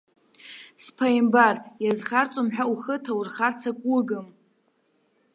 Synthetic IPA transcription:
spʰajmbarjazχart͡sʼomħᶣauχətʰawurχart͡sʰakʷʼʊɡɨm

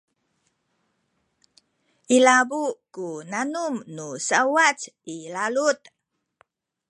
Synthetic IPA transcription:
ʔilabukunanumnusawat͡silalut̪

